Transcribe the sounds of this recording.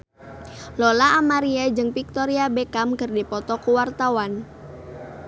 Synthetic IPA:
lɔlaːmaɾiad͡ʒɨŋpik̚t̪ɔɾiabekamkərdipɔt̪ɔkuwart̪awan

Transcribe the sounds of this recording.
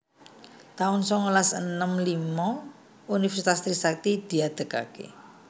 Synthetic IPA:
t̪aʊnsɔŋulasənəmlimɔ | unifərsit̪ast̪ɾisak̚t̪id̪̥i̤ad̪̥ə̤ka̰kḛ

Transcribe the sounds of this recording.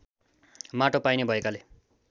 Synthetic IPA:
maʈopajnebʱʌekale

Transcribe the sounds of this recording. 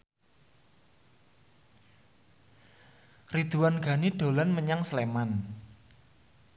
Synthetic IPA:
rid̪̥uwanɡ̥a̤niɖ̥o̤lanməɲaŋsleman

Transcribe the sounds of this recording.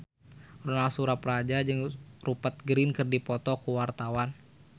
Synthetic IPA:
rɔnalsuɾapɾad͡ʒad͡ʒɨŋrupat̪̚ɡɾinkɨrdipɔt̪ɔkuwart̪awan

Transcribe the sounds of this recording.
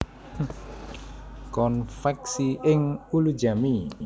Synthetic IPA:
kɔnfɛksiɪŋulu̥d͡ʒami

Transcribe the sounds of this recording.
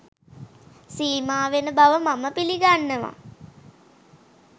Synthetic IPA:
siːmaːʋenəbaʋəmaməpiliɡanːəʋa̰

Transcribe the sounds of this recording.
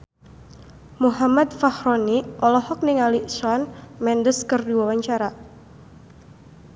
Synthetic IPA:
muɦamat̪̚fahɾɔniʔɔlɔhɔk̚niŋaliswanmɛndəskɨrduawaɲt͡ʃaɾa

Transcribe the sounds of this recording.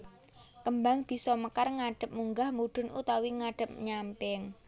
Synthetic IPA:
kəmbaŋb̥i̤sɔməkarŋaɖ̥ə̤p̚muŋɡahmuɖ̪̥ʊ̤nut̪awiŋaɖ̥ə̤p̚ɲampɪŋ

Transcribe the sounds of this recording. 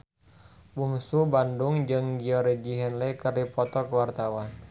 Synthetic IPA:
buŋsubandʊŋd͡ʒɨŋɡiɔɾɛd͡ʒiɦɛnlɛkərdipɔt̪ɔkwart̪awan

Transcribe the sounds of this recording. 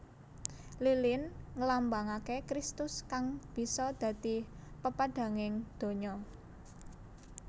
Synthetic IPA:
lilɪnŋəlambaŋakekɾist̪ʊskaŋb̥i̤sɔd̪̥ä̤d̪̥ipəpaɖ̥ä̤ŋɪŋd̪̥o̤ɲɔ

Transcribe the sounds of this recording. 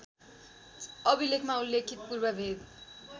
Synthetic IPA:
ʌbʱilekʰmaulːekʰit̪̚purbʌbʱed̪

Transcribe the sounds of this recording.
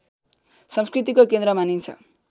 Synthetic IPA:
sʌmskrit̪̬ikokend̪ɾʌmanint͡sʰʌ̰

